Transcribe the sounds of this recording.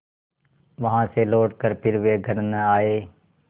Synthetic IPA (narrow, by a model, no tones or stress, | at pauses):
ʋəɦãːseːloːʈkəɾpʰɪɾʋeːɡʱəɾənaːeː